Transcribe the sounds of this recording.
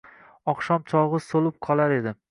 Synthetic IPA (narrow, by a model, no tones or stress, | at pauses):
ɒqʃɒmt͡ʃʰɒlˠʁɨsolˠɪp̚qʰɒlˠaɾe̞d̪ɪ